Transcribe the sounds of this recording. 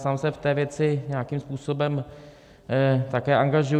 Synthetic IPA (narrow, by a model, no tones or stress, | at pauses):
saːmsɛft̪ɛːvjɛt͡sɪɲɛakimspuːsobɛm | t̪akɛːʔaŋɡaʒu